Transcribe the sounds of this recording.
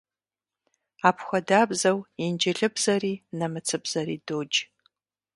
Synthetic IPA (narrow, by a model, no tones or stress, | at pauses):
apʰxʷɐdaːbzɐwind͡ʒɪɮɨbzɐriːnɐmɨt͡sʰɨbz̥ɐɾiːdoːd͡ʒ